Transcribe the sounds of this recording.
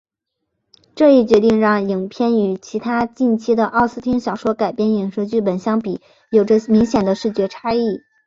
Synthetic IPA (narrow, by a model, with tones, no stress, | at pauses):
ʈ͡ʂɤ˥˧i˥˩t͡ɕɥɛ˧˥t̪i˥˧ŋɻɑ˥˩ŋi˨˩ŋpʰjɛ˥˧ny˧˩t͡ɕʰi˧˥t̪ʰa˥t͡ɕi˥˩nt͡ɕʰi˥d̪ə˨ʔɑ˥˩ʊsɹ̩˥˧t̪ʰi˥ŋɕjɑ˨˩ʊʂwɔ˥ka˨˩ɪpjɛ˥˩ni˨˩ŋʂɤ˧˥t͡ɕy˥˩pə˨˩nɕjɑ˥ŋpi˨˩˦ | jo˨˩ʊə˥mi˧˥ŋɕjɛ˨˩nd̪ə˦ʂɻ̩˥˩t͡ɕɥɛ˧˥ʈ͡ʂʰa˥i˥˩